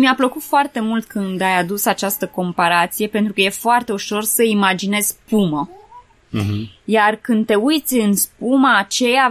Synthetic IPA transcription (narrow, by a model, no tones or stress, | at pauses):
miapləkut̪foart̪e̞mult̪kʰɨnd̪ajad̪usat͡ʃast̪əko̞mpaɾat̪sije̞pe̞nt̪ɾukəje̞foart̪e̞uʃo̞rsəimad͡ʒine̞z̥ʲpumə | jarkɨnd̪t̪e̞ujt̪sʲɨnspumaːt͡ʃe̞ja